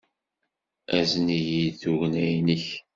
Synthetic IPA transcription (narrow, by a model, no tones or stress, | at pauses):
æzənijiθuʝnæjniç